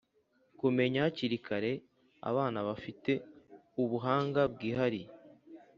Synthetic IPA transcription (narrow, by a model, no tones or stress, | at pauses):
kume̞ɲahaciɾikʰaɾe̞ | a̰βaːnaβafite̞ | uβuɦaːŋɡab̚ɡiːɦaɾi